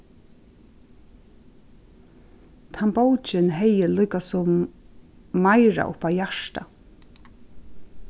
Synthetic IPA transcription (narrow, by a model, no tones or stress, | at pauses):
t̪ʰambɔwt͡ʃɪnɦɛjəlʊːkasʊmː | aɪɹa̰ʔʊ̰pawjaʃt̪a̰